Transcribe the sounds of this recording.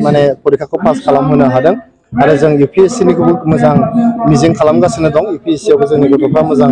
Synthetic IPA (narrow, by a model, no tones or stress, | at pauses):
manepʰɔɾikʰakʰɯpaskʰalamɦɯnɯɦadɯŋ | haɾɯzɯŋjupʰiesiniɡɯbɯmɯzaŋmiziŋkʰalamɡasɯnɯdɔŋjupʰiesiawbɯzɯŋniɡɯtɔpʰɾamɯzaŋ